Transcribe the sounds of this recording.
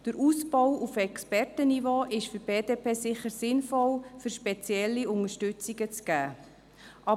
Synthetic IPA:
d̥əɾʔusbɔwufɛkspɛrtənivoːʔɪʃfyɾb̥eːdeːpʰeːsɪχəɾsɪnfɔlfyɾʃpɛt͡sjɛlːiʊŋəʃtʏt͡siɡət͡sɡ̥æː | ʔɑ

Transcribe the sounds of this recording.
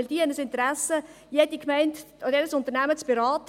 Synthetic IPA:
ld̥iːhɛnəsɪntəɾæsə | jed̥ikmɛɪnt | dɛɾəsʊnt̪əɾnæmət͡sb̥eɾaːt

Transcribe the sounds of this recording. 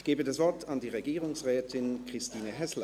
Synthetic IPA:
ɡ̥eːbədasv̥ɔɐtʰandiːʁeɡiːʁʊŋsʁɛːtʰɪnkʁ̥ɪstiːnəɦɛsl

